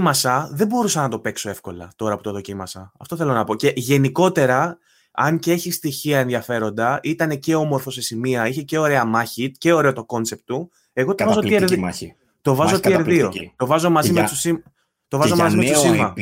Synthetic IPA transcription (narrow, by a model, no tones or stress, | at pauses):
mɐsɐðe̞bo̞ɾusɐnɐt̪o̞pe̞kso̞e̞fko̞lɐ̰t̪o̞ɾɐpu̥t̪oðo̞cimɐsɐɐft̪o̞θe̞lo̞nɐpo̞ce̞ʝe̞niko̞t̪e̞ɾɐ | ɐŋceeçist̪içiɐenðiɐfe̞ɾo̞nd̪ɐit̪ɐne̞ce̞o̞mo̞ɾfo̞se̞simiɐiçe̞ce̞o̞ɾe̞ɐmɐçit̪̚ce̞oɾe̞o̞t̪o̞ko̞nt͡se̞p̚t̪u | e̞ɣo̞t̪ovɐzoieɾðii | t̪o̞vɐzot̪ieɾðiot̪o̞vɐzo̞mɐzimesi | t̪o̞vɐzomɐzimet̪simɐ